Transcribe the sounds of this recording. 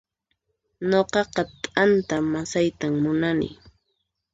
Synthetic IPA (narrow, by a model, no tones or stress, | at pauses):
ɲoqɑqɑt̪ʼant̪amasajt̪amːʊnanɪ̰